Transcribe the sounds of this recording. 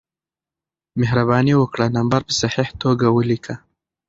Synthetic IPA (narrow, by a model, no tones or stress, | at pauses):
mehɾabɑniwəkɽanambaɾpə̥saħiht̪oɡawəlikʰa